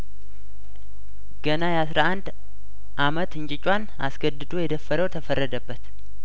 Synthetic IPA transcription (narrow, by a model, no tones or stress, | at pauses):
ɡ̥ənajɛasɾaʔand̪ | ʔamət̪ɨɲt͡ʃʼɪt͡ʃʼwan | a̰sɡəd̪ɨd̪o̞jɛd̪əfəɾəwt̪ʰəfərːəd̪əbːət̪